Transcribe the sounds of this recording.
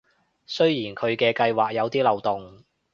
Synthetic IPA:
sɵ˥ɥjiː˨˩nkʰɵ˨˧ɥkɛː˧kɐ˧jwaː˨k̚jɐ˨˧wt̪iː˥lɐ˨wt̪ʊ˨˩ŋ

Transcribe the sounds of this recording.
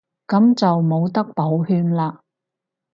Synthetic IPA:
kɐ˨˥mt͡sɐ˨wmo˨˧wt̪ɐ˥k̚po˨˥whyː˧nlaː˧

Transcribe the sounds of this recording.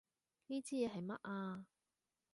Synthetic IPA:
niː˥t͡siː˥jɛː˨˧ɦɐ˨jmɐ˦˥t̚ʔaː˧

